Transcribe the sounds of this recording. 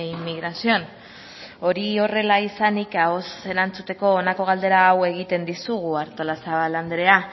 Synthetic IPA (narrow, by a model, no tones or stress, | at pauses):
imːiɣɾasion | o̞ɾio̞re̞laisanikao̞se̞ɾant͡sut̪e̞ko̞ːnako̞ɣ̞ald̪e̞ɾaːwe̞ɣ̞it̪e̞nd̪isuɣuaɾt̪olasaβaland̪eɾe̞a